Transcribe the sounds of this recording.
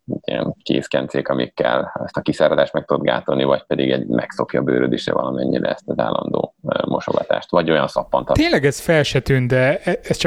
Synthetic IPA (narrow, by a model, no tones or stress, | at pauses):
t̪ːijɛnkeːskɛnt̪seːkɒmikːɛlːɛst̪ɒkisaːɾod̪aːʃt̪mɛkt̪uod̪ɡaːt̪onivɒc̚pɛd̪iɡɛɟmʔɛkso̞kjɒbøːɾød̪eːʃɛ̰vɒlɒmɛɲːiɾɛɛst̪ɛzaːlːɒnd̪o̰ːmʔo̞ʃoɡɒt̪a̰ːʃt̪ʋɒɟo̞jɒnsɒpːont̪ɒt̪eːnlɛɡɛzfɛlʃɛt̪ynd̪ɛɛɛst͡ʃ